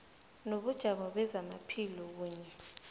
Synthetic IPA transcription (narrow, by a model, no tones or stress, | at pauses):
noɓud̥ʒ̥ʱaɓɔɓɛzamapʰilɔk̬uːɲɛ